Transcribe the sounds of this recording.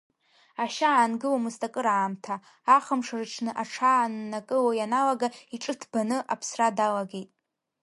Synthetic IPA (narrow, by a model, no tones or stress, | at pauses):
aʃaːnɡɨwamɨstʼakʼɨɾaːmtʰaː | χəmʂarɨʈ͡ʂʰnɨʔaʈ͡ʂʰanːakʼɨwajanalaɡaiʈ͡ʂʼɨtʰb̥anɨʔapʰsradalaɡe̞jtʼ